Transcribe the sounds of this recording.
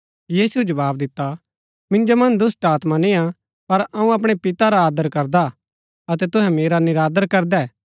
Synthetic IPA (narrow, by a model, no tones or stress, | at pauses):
jiːsuɛd͡ʒɐʋaːbd̪ɪt̪ːa | mɪ̃nd͡ʒomɐ̃nd̪ʊsʈaːt̪manĩːã | pɐɾɐũɐpɽ̃epɪt̪aɾaːd̪əɾkɐɾd̪a | ɐt̪ɛt̪ʊ̃ɦɛ̃meːɾanɪɾaːd̪əɾkɐɾd̪ɛː